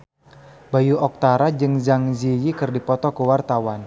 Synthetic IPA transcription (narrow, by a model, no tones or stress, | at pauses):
bajuɔk̚t̪aɾad͡ʒɨŋzaŋzijikɨrdipɔt̪ɔkəwart̪awan